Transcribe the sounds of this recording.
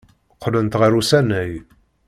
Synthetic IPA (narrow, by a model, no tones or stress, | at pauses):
qːlənt̪ʁəɾusænːəj